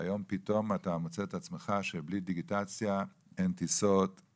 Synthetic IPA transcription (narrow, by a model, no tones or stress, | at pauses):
a̰jo̞mpito̞matamot͡seet̪at͡smeχaʃeblid̪iɡitat͡sja | ent̪isot